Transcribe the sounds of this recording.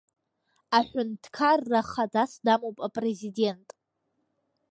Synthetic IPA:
aħʷᶣʏntʰkʰarːaχadasdamowpʼapʼre̞zide̞ntʼ

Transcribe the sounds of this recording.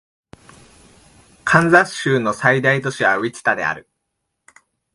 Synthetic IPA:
kʰãnzḁɕɨːno̞said̪ait̪o̞ɕiβaβʲit͡ɕi̥t̪ad̪e̞̰a̰ɾɯ̟

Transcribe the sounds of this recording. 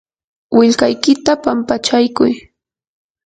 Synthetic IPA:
wɪʎkajkɪt̪apampat͡ʃajkʊj

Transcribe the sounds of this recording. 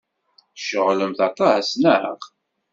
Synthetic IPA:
ʃəʁləmθɑt̪ˤɑhæsnæɾə̰ʁ

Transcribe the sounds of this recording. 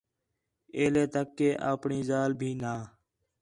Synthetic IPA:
eːleːt̪əkːeːʔaːpɳiːzaːlbʱiːnaː

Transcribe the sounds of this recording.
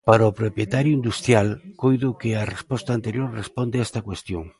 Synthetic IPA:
paɾɐopɾopjet̪aɾjʊind̪ust̪ɾjalkojðʊkɪɐrespɔst̪ɐant̪eɾjoɾrespɔnd̪eɛst̪ɐkwest̪joŋ

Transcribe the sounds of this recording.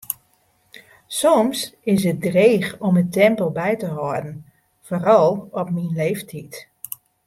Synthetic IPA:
sɔmsɪsət̚dreːxɔmətɛmpəlˠbɛjtəɦɔdn̩ | forɔlˠɔpminleːftʰit

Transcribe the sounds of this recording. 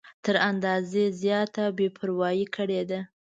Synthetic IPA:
t̪əɾand̪ɑzezjɑt̪abepʰʊɾwɑjikʰəɽed̪a

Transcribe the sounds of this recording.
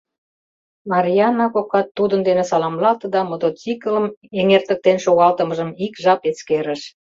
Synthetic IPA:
mɑɾʲijɑnːɑkokɑt̪ːud̪ənd̪enesɑlɑmlɑlt̪ə̆d̪ɑmot̪ot͡sikələmeŋert̪ə̆k̚t̪enʃoɣɑlt̪əməʒəmikʒɑpet͡skeɾə̆ʃ

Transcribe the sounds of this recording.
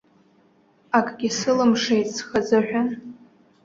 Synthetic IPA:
akʼɡʲɪsɨlɨmʂejtʼsχad͡zaʕʷᶣʊn

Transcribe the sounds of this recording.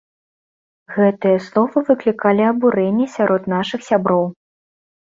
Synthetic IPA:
ɣɛt̪ɨjɐslˠɔvɐvɨklʲikalʲiɐbuɾɛnʲːɛsʲaɾɔt̪n̪aʂɨxsʲabɾɔw

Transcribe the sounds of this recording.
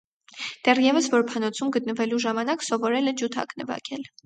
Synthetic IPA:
d̪̥ɛrjɛvəsvɔɾpʰɑnɔt͡sʰumɡət̪̚nəvɛluʒɑmɑnɑksɔvɔɾɛlɛd͡ʒut̪ʰɑ̰knɛvɑ̰kʰɛl

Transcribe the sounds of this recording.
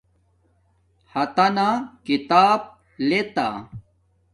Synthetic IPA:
hɐt̪anakit̪aːb̚ | let̪a̰

